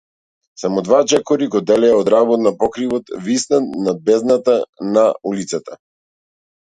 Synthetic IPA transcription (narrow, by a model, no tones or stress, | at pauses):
samɔd̪vat͡ʃɛkɔɾiɡɔd̪ɛlɛaɔd̪ɾabɔt̪̚napɔkɾivɔt̪visnanabɛznat̪anaulit̪sat̪a